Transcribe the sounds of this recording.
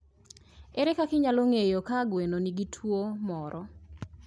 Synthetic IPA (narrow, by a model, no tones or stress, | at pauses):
eɾekakɪɲaloŋejokaɡwenoniɡitʰwomɔɾɔ